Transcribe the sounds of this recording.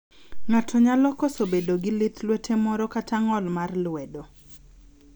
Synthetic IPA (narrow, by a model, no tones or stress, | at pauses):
ŋatʰɔɲalɔkosobedoɡɪlɪt̪lwetʰemɔɾɔkatʰaŋɔlmarlwɛdo